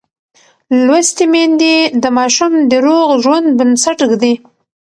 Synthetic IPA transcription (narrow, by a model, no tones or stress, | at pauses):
lwast̪imend̪id̪əmɑʃumd̪əɾoɣʒwand̪̚bənsaʈɡd̪i